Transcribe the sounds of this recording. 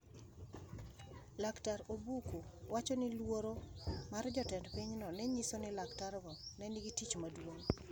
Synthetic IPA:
laktaɾobukowat͡ʃonɪlwoɾomard͡ʒɔtɛndpiɲnɔnɛɲisonɪlaktaɾɡɔnɛniɡitit͡ʃmadwoŋ

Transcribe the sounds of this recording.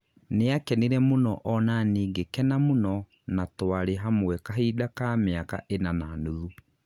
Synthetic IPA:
neakɛniɾɛmonɔʔɔnaneːɡekɛnamonɔ | natwaɾeɦamwɛkaɦidakameaka̰ʔenananuðu

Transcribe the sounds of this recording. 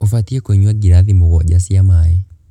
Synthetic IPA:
ofatiekweɲwaɡiɾaðimoɣɔɟasiamaja

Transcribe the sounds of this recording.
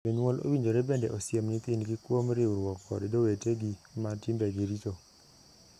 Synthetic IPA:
oɲwolʔo̰wiɲd͡ʒoɾebendɛʔosjemnit̪ɪnɡikwomɾɪuɾwɔkːɔ̰ddoweteɡimatimbɛɡiɾito

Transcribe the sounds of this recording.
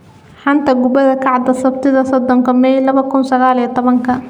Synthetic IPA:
ħɑnt̪ʰɐɡʊbɐðɐkʰɑʕd̪ɐsɐbt̪ʰɪðɐsɔd̪ɔŋkʰɐmɛjlɐβɐkʰʊnsɐɣaːlijɐt̪ʰɔβɐŋkʰɐ

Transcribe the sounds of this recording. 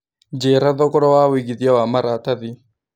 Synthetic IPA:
d͡ʒɛɾaðɔkɔɾɔwawiɡiðjawamaɾataði

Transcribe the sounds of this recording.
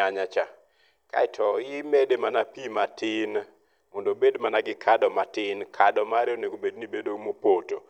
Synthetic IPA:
aɲat͡ʃa | ka̰ɪtʰɔjɪmedemanapimatɪn | mondobedmanaɡɪkʰadɔmatɪnkʰadɔmaɾeoneɡobednibedomopoto

